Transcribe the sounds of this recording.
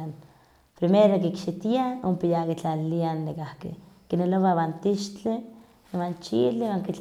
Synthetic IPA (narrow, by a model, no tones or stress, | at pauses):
an | pɾimeɾok̬ikʃit̪iaompijakit͡ɬalianːikahkḭkineloβaβant̪iʃt͡ɬe | want͡ʃiliwaŋkit͡ɬ